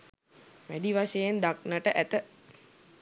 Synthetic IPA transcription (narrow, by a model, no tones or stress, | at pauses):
ʋæɖiʋaʃejend̪ak̚nəʈəʔæt̪ə